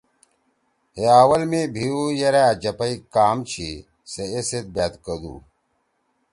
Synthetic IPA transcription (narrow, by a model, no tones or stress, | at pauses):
heaːwɐlmebʱiujɐɾaɐd͡ʑɐpɐikaːmt͡ɕʰi | seeset̪̚baːt̪kɐd̪ṵː